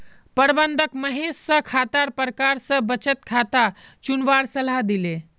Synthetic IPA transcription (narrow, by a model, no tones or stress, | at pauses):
pəɾbənd̪ʱəkməɦesːə̃kʰat̪aɾpəɾəkaɾsə̃bət͡ʃət̪kʰat̪at͡ʃunʋaɾsəlad̪ile